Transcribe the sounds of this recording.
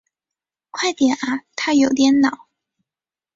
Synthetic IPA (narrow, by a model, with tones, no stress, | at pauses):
kʰwa˥˩ɪt̪jɛ˨˩nʔa˧˥t̪ʰa˥jo˨˩ʊt̪̬jɛ˨˧˥nnɑ˨˩˦ʊ